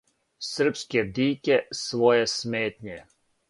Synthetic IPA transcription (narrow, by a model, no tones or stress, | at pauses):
sər̩pskɛd̪iːkɛsʋɔːjɛsmeːt̪ɲɛ